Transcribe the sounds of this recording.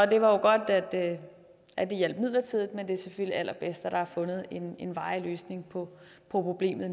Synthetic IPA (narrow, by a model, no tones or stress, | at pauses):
ɒd̥e̝ʋɑ̈jo̝ɡ̥ɒ̽d̥æd̥ | ædd̥ijel̰b̥mið̞̰ˠlɐt͡sʰiðˠð̩ˠmend̥e̝æɐseføl̰liæl̰ɐb̥esd̥æɾ̥ɑ̈hæfɔ̽nð̩ˠe̝ne̝nʋɑ̈ɪløːsne̝ŋpʰɒ̽ | pʰɒ̽pʰʁo̝b̥le̝̰ːmð̩ˠ